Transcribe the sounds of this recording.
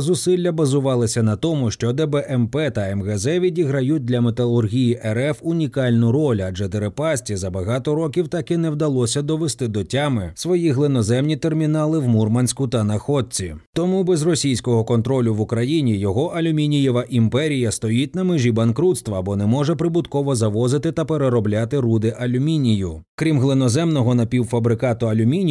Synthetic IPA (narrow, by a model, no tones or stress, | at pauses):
zʊsɪlʲːɐbɐzʊʋɑlˠɪsʲɐnɐt̪ɔmʊʃt͡ʃɔd̪ɛbɛʔɛmpɛt̪ɐɛmɣɛzɛʋʲidʲiɦɾɐjut̚ʲd̪lʲɐmet̪ɐlˠʊrɦʲijiʔɛɾɛfʊnʲikɑlʲnʊɾɔlʲɐd͡ʒɛd̪eɾepɑsʲtʲizɐbɐɦɑt̪ɔɾɔkʲiwt̪ɑkɪnɛwd̪ɐlˠɔsʲɐd̪ɔʋest̪ɪd̪ɔtʲamɪsʋɔjiɦlˠɪnɔzɛmnʲit̪ermʲinɑlˠɪwmurmɐnʲsʲkʊt̪ɐnɐxɔd̪̚ʲt͡sʲit̪ɔmubɛzrɔsʲijsʲkɔɦɔkɔnt̪ɾɔlʲʊʋʊkɾɐjinʲijɔɦɔʔɐlʲʊmʲinʲijɛʋɐʔimpɛɾʲijɐst̪ɔjitʲnɐmɪʒʲibɐnkɾut̪st̪ʋɐbɔnɛmɔʐɛpɾɪbʊt̪kɔʋɔzɐʋɔzɪt̪ɪt̪ɐpeɾeɾɔblʲat̪ɪɾud̪ɪʔɐlʲʊmʲinʲijʊkɾʲimɦlˠɪnɔzɛmnɔɦɔnɐpʲiwfɐbɾɪkɑt̪ʊɐlʲʊmʲinʲ